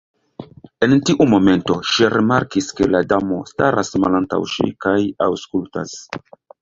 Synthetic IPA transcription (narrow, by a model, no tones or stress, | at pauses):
e̞ntiʔumo̞me̞nto̞ʃiɾʔimaɾkiske̞ladamo̞staɾasmalanta̰wʃḭkajawskulta̰s